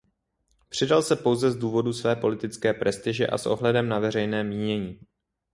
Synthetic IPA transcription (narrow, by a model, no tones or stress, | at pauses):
pr̥ɪdalsɛpo̞wzɛzduːvo̞dusvɛːpo̞lɪt̪ɪt͡skɛːpɾʔɛst̪ɪʒɛʔa̰sʔo̞̰ɦlɛdɛmnavɛrɛjnɛːmiːɲɛɲiː